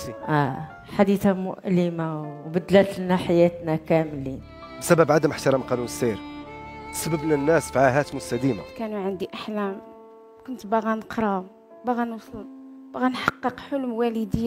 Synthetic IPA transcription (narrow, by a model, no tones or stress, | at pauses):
ʔæ | ħad̪it̪amʊ̰ʔlimawbəd̪læt̪lnaħajæt̪nækæmlin | bsæbæbʕad̪əmʔəħt̪ɑɾˤɑmqɑnunəsːeɾt̪səbəbnænːæsfiʕaɦæt̪mʊst̪æd̪ima̰kænuʕənd̪iʔaħlæm | kʊnt̪baɣænəqɾˤɑ | baɣænwsˤlun | b̥ɣænħɑqːəqħʊlmwæləd̪əjː